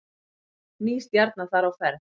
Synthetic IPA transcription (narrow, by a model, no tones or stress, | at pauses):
niːst̪jaɾt̪nḁθaɾawfɛɾð